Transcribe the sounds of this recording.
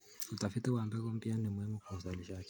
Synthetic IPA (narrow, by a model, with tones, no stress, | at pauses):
u˨ta˨fi˦tɛ˦wa˨mbɛ˦kɔ˦m̩˦bi˦a˦nɛ˨mwɛ˦mɔ˦ku˨za˨li˨ʃa˦k